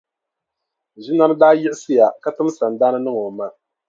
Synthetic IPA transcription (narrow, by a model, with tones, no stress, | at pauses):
ʒi˦na˦m˦daː˦jɪ˦ʔɪ˦sɨ˦ja˨ka˦tɨ˦m˦sa˨n˨daː˦nɨ˦nɨ˦ŋo˨ma˦